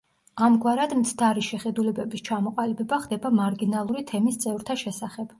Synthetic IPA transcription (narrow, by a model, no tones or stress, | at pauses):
amɡwaɾad̪mt̪sʰd̪aɾiʃɛχɛd̪ulɛbɛbist͡ʃʰamɔqʼalibɛbaχd̪ɛbamaɾɡinalˠuɾit̪ʰɛmist̪sʼɛvɾt̪ʰaʃɛsaχɛb̥